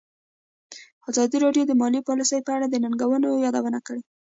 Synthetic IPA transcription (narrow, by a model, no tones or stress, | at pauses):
ɑzɑd̪iɾɑɖjod̪əmɑlipɑlisəjpəaɽad̪ənaŋɡawənojɑd̪awənakəɽe